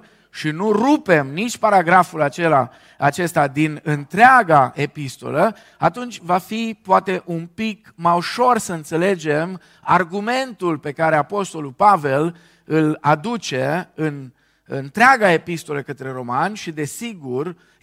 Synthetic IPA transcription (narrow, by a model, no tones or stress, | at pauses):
ʃinurupe̞mnit͡ʃʲpaɾaɡɾafulat͡ʃe̞la̰ | at͡ʃe̞st̪ad̪inɨnt̪ɾeaɡaʔepist̪o̞̰lə | at̪unt͡ʃʲvafipoat̪e̞ʔunpikmajuʃo̞rsəɨnt̪se̞le̞d͡ʒe̞m | arɡume̞nt̪ulpe̞kaɾe̞apo̞st̪o̞lulpave̞l | ɨlad̪ut͡ʃe̞ɨn | ɨnt̪ɾeaɡae̞pist̪o̞ləkət̪ɾe̞ɾo̞manʲʃid̪e̞siɡur